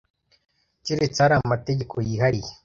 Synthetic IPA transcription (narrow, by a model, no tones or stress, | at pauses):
ciɾet͡saɾamateɟekʰojiːɦaɾije